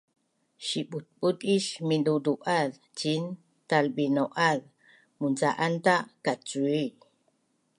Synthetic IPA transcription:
ʃiɓut̪̚ɓut̪iʃminduduʔað | t͡ʃin | t̪alɓinoʔað | munt͡saʔant̪aʔkat͡sui

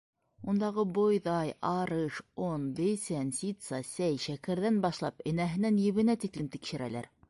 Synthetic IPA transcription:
und̪ɑʁɤbojðɑjɑɾɤʃonbɘ̆sænsʲit̪sɑsæjʃækæ̆ɾðænbɑʃlˠɑpɘ̆næɦɘ̆nænjɘ̆βɘ̆næt̪iklɘmt̪ikʃɘ̆ɾælæ̰ɾ

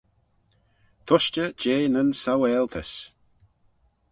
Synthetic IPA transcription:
t̪ʰʊʃt͡ʃəd͡ʒeːnənsawɛːlt̪ʰəs

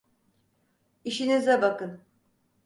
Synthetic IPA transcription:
iʃinizabakɯn

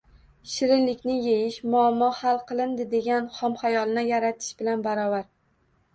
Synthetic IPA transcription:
ɪʃɪɾɪnlɪkʲnɪjejɪʃmʊamːɒhalˠqʰɨlˠɪnd̪ɪd̪e̞ɡʲanχɒmχajɒlˠɪnɪjaɾat̪ʰɪ̥ʃbɪlanbaɾɒvaɾ

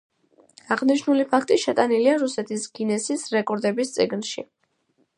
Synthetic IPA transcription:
aʁniʃnulipʰakʰt̪ʼiʃɛt̪ʼaniliaɾusɛt̪ʰisɡ̥inɛsisɾɛkʼɔɾd̪ɛbist̪sʼḭɡnʃḭ

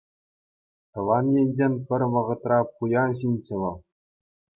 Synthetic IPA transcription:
t̪ɤ̆ʋɑnjenʲd͡ʑenʲpʲɘ̆rʲʋɤ̆ʁɤ̆t̪rɑpujɑɕ̬inʲt͡ɕɘ̆ʋɤ̆lˠ

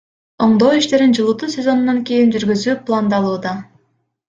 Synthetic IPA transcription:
o̞ɴd̪oːiʃt̪e̞ɾind͡ʒɯlˠuːt̪usʲe̞zo̞nunːɑŋkʲe̞jind͡ʒyɾɡyzyːplˠand̪ɑlˠuːd̪ɑ

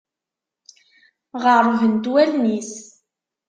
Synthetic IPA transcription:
ʁəɾˤvənt̪wælnis

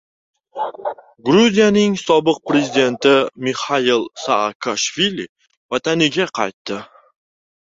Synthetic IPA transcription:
ɡɾuzijanɪŋsɒbɨq̚pɾe̞zid̪e̞nt̪ɪmihailˠsakʰaʃvilʲi | vat̪ʰanɪɡʲaqʰɑ̰jt̪ːɪ

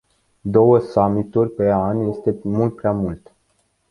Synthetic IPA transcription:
d̪o̞wəsamit̪urʲpe̞anje̞st̪e̞mult̪̚pɾeamult̪

